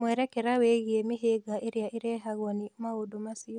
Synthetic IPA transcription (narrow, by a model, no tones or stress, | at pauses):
mwɛɾɛkɛɾaweɣiɛmiɦeɡaʔiɾiaʔiɾɛɦaɣɔnimaodumasi